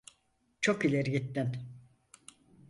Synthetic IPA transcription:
t͡ʃʰokilʲeɾiɡit̪ːin

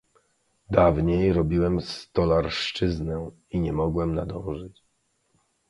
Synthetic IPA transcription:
d̪avɲejɾɔbʲiwɛmst̪ɔlaɾʂt͡ʂɘznɛ | iɲɛmɔɡwɛmnad̪ɔ̃w̃ʐɘt͡ɕ

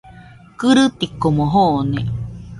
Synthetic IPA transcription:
kɨɾɨt̪ikomoɦonẽ

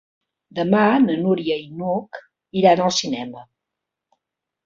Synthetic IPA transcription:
d̪əmanənuɾiəinuk | iɾanəlˠsinɛmə

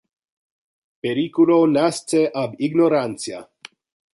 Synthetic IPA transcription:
peɾikulonast͡seʔabiɡnoɾant͡sia̰

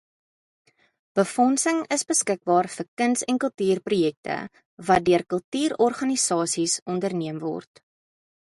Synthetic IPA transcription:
b̥əfɔnsəŋəsbəskək̚bɑːrfərkənsɛnkəlˠtyːrprujɛk̚tə̰ | vɐt̚døərkəlˠtyːɾɔrχɐnisɑːsisɔndərniəmvɔ̰rt

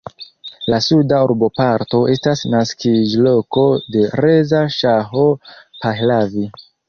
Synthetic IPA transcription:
lasudaoɾbo̞paɾto̞e̞stasnaskid͡ʒlo̞ko̞de̞re̞zaʃaɦopahlavi

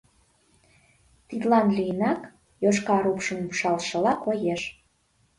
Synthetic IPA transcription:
t̪id̪lɑnlijənɑk | joʃkɑɾupʃəmumʃɑlʃə̆lɑkojeʃ

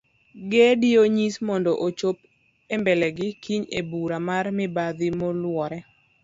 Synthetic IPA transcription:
ɡɛdɪoɲismɔndɔʔot͡ʃop | embɛlɛɡɪkʰiɲḛbuɾamarmɪbad̪imolwɔɾɛ

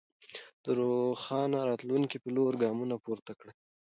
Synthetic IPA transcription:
d̪̥əɾoxɑnaɾɑt̪luŋkipəloɾɡɑmunapoɾt̪akɽa

